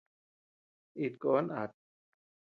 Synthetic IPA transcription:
ʔi˨˩t̪̚kɔ˧˦na̰˨˩t̪̚

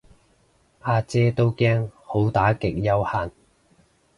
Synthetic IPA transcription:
ʔaː˧t͡sɛː˥t̪o˥wkɛː˥ŋho˨˥wt̪aː˨˥kɪ˨k̚jɐ˥whaː˧n

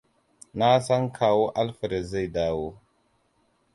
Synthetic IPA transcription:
na˦sa˦ŋkʰa˨wo˦ʔa˦lfə˨ɾe˨ze˦˨da˨wo˦

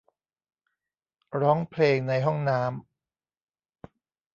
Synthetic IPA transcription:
ɾɔː˦˥ŋpʰleː˧ŋna˧jɦɔ˥˩ŋnaː˦˥m

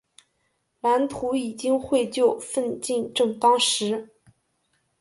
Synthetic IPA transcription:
la˧˥nt̪ʰu˧˥i˨˩t͡ɕi˥ŋxwe˥˧ɪt͡ɕjo˥˧ʊfə˥˧nt͡ɕi˥˧nʈ͡ʂɤ˥˩ŋt̪ɑ˥ŋʂɻ̩˧˥

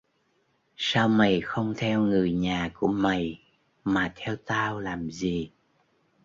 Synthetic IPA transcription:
saː˧wma˨˩jxə˧wŋ͡mt̪ʰɛ˧wŋɨ˨˩əjɲaː˨˩ku˧˩əma˨˩j | maː˨˩t̪ʰɛ˧wt̪aː˧wlaː˨˩mzi˨˩

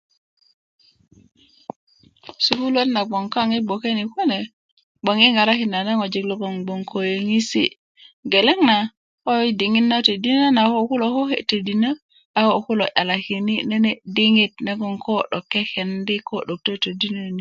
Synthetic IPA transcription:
su˨ku˦lo˦tna˨ɡ͡bo˨ŋka˦ŋi˦bo˨ke˦ni˨ko˦ne˨ | ɓo˨ŋi˦ŋa˨ɾa˦ki˨na˨na˦ŋo˨d͡ʒi˨ɡlo˦ɡo˨ŋɡ͡bo˨ŋkʰo˨je˨ŋi˦sḭ | ɡe˨le˦ŋna˨ | o˦di˨ŋi˦nːa˦te˨di˦na˦na˨ho˦ku˦lo˨ko˦hḛte˨di˨na˦ | a˦ho˨ku˦loʔa˨la˨ki˨nine˦nedi˦ŋitne˦ɡɔ˦ŋko˦ɗo˨kːe˦ke˨ndi˦ko˦ɗo˨k̚to˦te˨di˦no˦ni˨

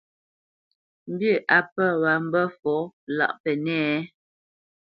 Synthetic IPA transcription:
m̩˦bjə˦˨ʔa˨pə˦˨wa˨˦m̩˦bə˦fɔ˨˦la̰˨ʔpɛ˨nɛ˦

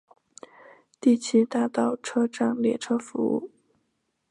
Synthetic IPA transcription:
t̪i˥˩t͡ɕʰi˥t̪a˥˧t̪ɑ˥˩ʊʈ͡ʂʰɤ˥ʈ͡ʂɑ˥˩ŋljɛ˨˩ʈ͡ʂʰɤ˥fu˧˥ṵ˥˩

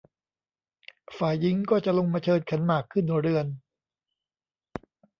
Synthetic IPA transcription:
faː˨˩jːi˨˦ŋkɔː˥˩t͡ɕa˨˩lo˧ŋmaː˧t͡ɕʰɤː˧n̚kʰa˩˦nmaː˨˩kʰːɯ˥˩nɾɯ˧ən

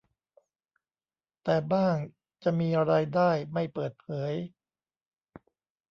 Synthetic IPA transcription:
t̪ɛː˨˩baː˥˩ŋ | t͡ɕa˨˩miː˧ɾaː˧jdaː˥˩jma˥˩jpɤː˨˩t̪̚pʰɤː˩˦j

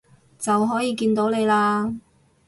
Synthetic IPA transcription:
t͡sɐ˨wɦɔː˨˥jiː˨˧kiː˧nt̪o˨˥wle˨˧jlaː˧

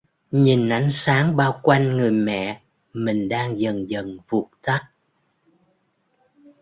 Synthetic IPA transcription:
ɲi˨˩nʔa˨˦jŋ̟saː˨˦ŋɓaː˧wkwa˧jŋ̟ŋɨ˨˩əjmɛ̰˧˨ | mï˨˩ŋ̟ɗaː˧ŋzə˨˩ŋzə˨˩nvu˨˩k͡p̚t̪a˦˥t̚

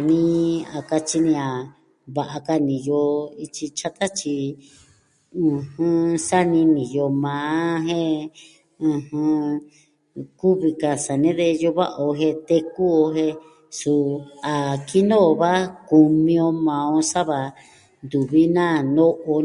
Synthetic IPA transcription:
nĩ˦˧˦a˨ka˧t͡ʃi˧nĩ˧a˨ | βa˧˨ʔa˧ka˧nĩ˨jo˧i˧t͡ʃi˧t͡ʃa˦t̪a˦t͡ʃi˧ | ɨ̃˧hɨ̃˧sa˦nĩ˧nĩ˨jo˧mãː˨˧˦ɦẽ˦ | ɨ̃˧hɨ̃˧ | ku˦βi˧ka˧sa˨nẽ˦ðe˧jo˧βa̰˦ʔa˨o˧ɦe˧t̪e˧ku˦o˧ɦe˧ | su˧a˨ki˦nõ˦˧βa˦ku˧mĩ˧õ˧mã˧õ˧sa˦βa˧˨ | nd̪u˨βi˦nã˦nõ˦ʔo˧

